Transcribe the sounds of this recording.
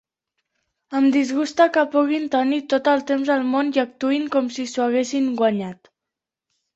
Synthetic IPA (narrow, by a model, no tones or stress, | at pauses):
əmd̪izɣust̪akəpuɣint̪ənit̪ot̪əlˠt̪emzəlˠmonjək̚t̪uiŋkɔmsisuaɣ̞esiŋɡwaɲat̪